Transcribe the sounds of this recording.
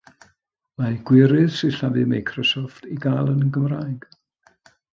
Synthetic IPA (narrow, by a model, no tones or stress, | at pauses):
majɡwɪɾɨð̥sɪɬavɨmajkʰrɔsɔftʰiɡaːlˠənənɡəmraːjɡ̥